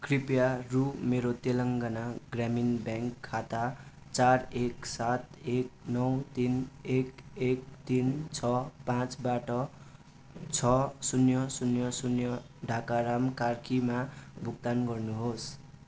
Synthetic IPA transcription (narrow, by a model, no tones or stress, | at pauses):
kripjarumeɾot̪elʌŋɡʌnaɡraminbjaŋkʰːat̪a | t͡sareksat̪ek̚nʌwt̪inekek̚t̪int͡sʰʌpãt͡sbaʈʌ | t͡sʰʌsunjʌsunjʌsunjʌ | ɖʱakaɾamkarkʰimabʱuk̚t̪anɡʌrnuɦos